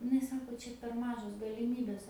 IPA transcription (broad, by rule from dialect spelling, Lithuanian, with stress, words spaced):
ɪˈnɐɪ ˈsɑːkoː ˈt͡ʃʲɛ pʲɛr ˈmɑːʒoːs ɡɐlʲɪˈmʲiːbʲeːs